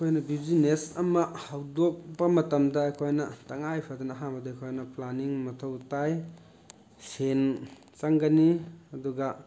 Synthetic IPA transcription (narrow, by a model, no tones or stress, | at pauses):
ɐkʰojnɐbizinesɐmɐhawdok̚bɐmɐtɐmdɐɐkʰojnɐtɐŋajpʰɐdɐnɐɦaŋbɐdɐɐkʰojnɐplaniŋmɐtʰɐwtaj | sen | t͡ʃaŋɡɐniɐduɡɐ